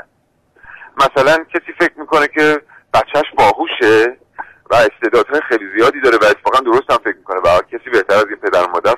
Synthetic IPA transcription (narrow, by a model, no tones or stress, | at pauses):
mæsælæncʰesiːfe̞cʰmiːko̞necʰe̞ | b̥æt͡ʃʰːæʃbɒːɦuːʃe | væe̞st̪e̞d̪ɒːd̪̥hɒːjexejliːzijɒːd̪id̪ɒːɾevæet̪ʰːe̥fɒːɣænd̪o̞ɾost̪æmfec̚ʰmiːkʰo̞nevæcʰesiːbe̞ht̪æɾæzinpʰe̞d̪æɾmɒːd̪æɾ